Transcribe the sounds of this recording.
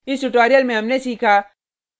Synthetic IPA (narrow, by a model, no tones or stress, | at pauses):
ɪsʈʊʈaːɾijəlmẽɦɐmnesiːkʰaː